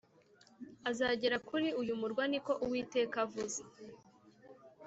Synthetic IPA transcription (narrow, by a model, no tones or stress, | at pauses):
azaːɟeɾakʰuɾiujumuɾɡwaniko̞ʔuwiːte̞ːkavuze̥